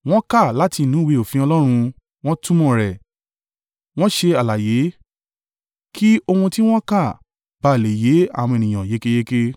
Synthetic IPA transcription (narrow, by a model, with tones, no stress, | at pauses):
w̃ɔ̃˦ka˦˨la˨˦ti˧˨nũ˨˦we˧˨o˨fĩ˧ɔ˧lɔ˦ɾ̃ũ˧ | w̃ɔ̃˦tũ˦mɔ̃˦˨ɾɛ˨ | w̃ɔ̃˦ʃe˧a˨la˨je˨˦ | ki˦o˧hũ˧ti˦w̃ɔ̃˦ka˦˨ | b̥a˨˧˨le˨je˨˦a̰˦˨w̃ɔ̃˧e˨nĩ˨ã˨je˨˦ke˦je˦ke˦